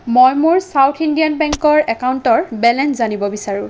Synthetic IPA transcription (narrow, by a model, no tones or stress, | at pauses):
mojmʊɹsawtʰindijanbɛŋkɔɹɛkauntɔɹbɛlɛnzanibɔbisaɹʊ̃